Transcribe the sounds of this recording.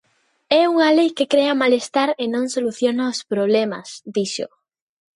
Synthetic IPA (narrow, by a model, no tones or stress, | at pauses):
ɛuŋɐlejkekɾɛɐmalest̪aɾenõŋsoluθjonaospɾoβ̞lɛmɐ̰sd̪iʃʊ̰